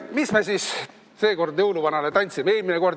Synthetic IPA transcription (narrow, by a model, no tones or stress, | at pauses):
mismesis | se̞ːko̞rd̪jɤwluvɑnɑlet̪ɑnʲt̪simeeːlmineko̞rd̪